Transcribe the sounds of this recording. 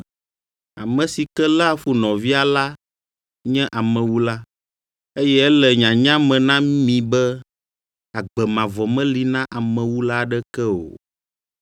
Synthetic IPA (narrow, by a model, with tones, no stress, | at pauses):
a̰˨mɛ̃˨si˨kɛ˦la˦fu˦nɔ̃˨vi˦a˨la˦ | ɲɛ̃˦ʔa˨mɛ̃˨wu˦la˦ | e˦jɛ˦ɛ˦lɛ˨ɲã˨ɲã˦mɛ̃˨nã˦mĩ˨bɛ˦ | a˨ɡ͡bɛ˨mã˨vɔ˨mɛ̃˦li˨nã˦ʔa˨mɛ̃˨wu˦la˦ɖɛ˦kɛ˦o̰˨